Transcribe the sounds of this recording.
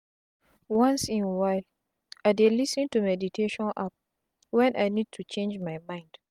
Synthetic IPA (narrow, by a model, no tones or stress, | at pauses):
wãnsĩnwaɪl | aɪdelisĩntumɛditʰeʃɔ̃nʔap̚ | wɛ̃nʔaɪnid̚tʰut͡ʃẽnd͡ʒmajmãɪ̃nd̥